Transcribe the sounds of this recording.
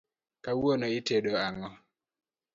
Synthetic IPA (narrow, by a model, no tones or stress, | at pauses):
kawonoɪteɗoaŋɔ